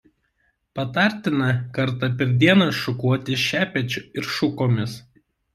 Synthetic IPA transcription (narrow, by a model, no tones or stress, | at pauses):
pɐt̪ɑˑɾʲˑt̪ʲɪnɐkɐɾt̪ɐpʲɛɾʲd̪ʲiɛnɐsʃʊkuɔt̪ʲɪʃʲæːpʲɛt͡ʃʲʊɪɾʃʊkoːmʲɪs